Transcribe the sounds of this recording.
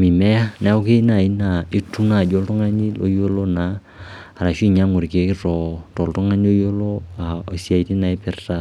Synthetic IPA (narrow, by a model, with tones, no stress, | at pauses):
mi˨mɛ˦a˦na˦o˦ke˦i˦na˨i˦na˨i˦tu˦na˦˨d͡ʒo˦ltʊ˦ŋa˦ni˦lo˦jo˦lo˦naː˨˦˨ | ɾa˨ʃi˦˨ɲa˦ŋo˨ɾke˨˦kɪ˦tɔ˨to˨ltʊ˦ŋa˦ni˦o˦jo˦lo˦a˨o˨si˦a˨i˦ti˦na˨i˦pɛ˨rta˨